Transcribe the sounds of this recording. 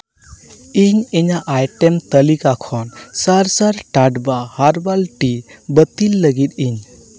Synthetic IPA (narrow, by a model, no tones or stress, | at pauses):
iɲɛɲaʔajʈɛmt̪əlikakʰɔnsaɾsaɾʈaɖbahaɾbalʈibət̪ilːəɡit̪̚iɲ